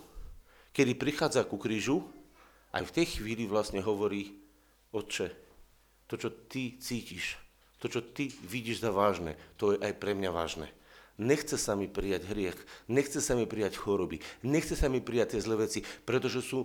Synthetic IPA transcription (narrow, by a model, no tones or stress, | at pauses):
kɛd̪ipɾixaːd͡zakukɾiːʒu | ʔa̰jft̪ɛjxʋiːliʋlasɲɛɦɔʋɔɾiː | ɔtt͡ʃɛ | t̪ɔt͡ʃɔt̪it͡siːciʃ | t̪ɔt͡ʃɔt̪iʋiɟiːʒzaʋaːʒnɛ̰ːt̪ɔjɛʔajpɾɛmɲaʋa̰ːʒnɛ̰ːɲɛxt͡sɛsamipɾijaɟɦɾɪɛxɲɛxt͡sɛsamipɾijacxɔɾɔbiɲɛxt͡sɛsamipɾijac̚t̪ːɪjɛzlɛːʋɛt͡sipɾɛt̪ɔʒɛsu